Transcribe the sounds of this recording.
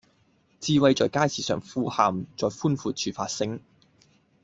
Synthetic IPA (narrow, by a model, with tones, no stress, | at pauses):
t͡siː˧wɐ˧jt͡ʃɔː˨jkaː˥jsiː˨sœ̰ː˨˩ŋfuː˧haː˨˩mt͡sɔː˨jfuː˥nfuː˨˧t͡ʃʰyː˨˩faː˧t̚sɪ˥ŋ